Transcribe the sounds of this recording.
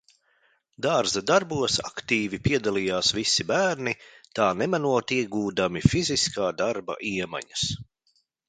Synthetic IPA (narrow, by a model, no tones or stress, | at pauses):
d̪aːɾzad̪aɾbuɔsakt̪iːvipiɛd̪alˠijaːsvisibæːɾnit̪aːnɛmanuɔt̪iɛɡuːd̪amifiziskaːd̪aɾba̰ʔiɛma̰ɲɐs